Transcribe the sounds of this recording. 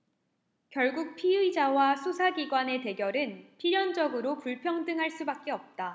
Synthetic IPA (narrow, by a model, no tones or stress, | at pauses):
kjʌɭɡuk̚pʰiɯid͡ʑawasʰusʰaɡiɡwane̞te̞ɡjʌɾɯnpʰiɾjʌnd͡ʑʌɡɯɾopuɭpʰjʌŋdɯŋɦaɭs͈ubak̚k͈e̞ʌp̚t͈a